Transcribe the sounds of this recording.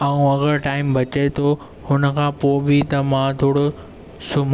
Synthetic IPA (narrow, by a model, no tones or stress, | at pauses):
ɐũɐɣəɾʈaːɪmbʱɐt͡ɕet̪ʰo | hʊnə̆kʰãːpoːbʱit̪ɐmãt̪ʰoːɽo | sʊm